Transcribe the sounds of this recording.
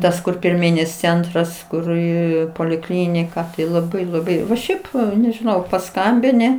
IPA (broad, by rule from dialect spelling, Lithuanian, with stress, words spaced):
ˈtɐs kʊr pʲɪrʲˈmʲiːnʲɪs ˈt͡sʲɛntrɐs ˈkʊr ɪ poːlʲɪˈklʲɪnʲɪkɐ tɐɪ lˠɐˈbɐɪ lˠɐˈbɐɪ nʊ ˈʃʲɛɪp nʲɛʒʲɪˈnɐʊ pɐˈskɐmʲbʲɪnʲɪ